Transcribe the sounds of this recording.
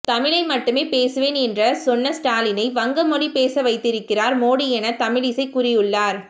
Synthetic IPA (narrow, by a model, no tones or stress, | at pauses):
t̪ɐmɪɻɐɪmɐʈːɯmeːpeːsɯʋeːnɛndrɐsɔnːɐsʈaːlɪnɐɪʋɐŋɡɐmɔɽipeːsɐʋɐɪt̪ːɪɾɯkːɪraːɾmoːɽijɛnɐt̪ɐmɪɻɪsɐɪkʊrɪjɯɭːaːɾ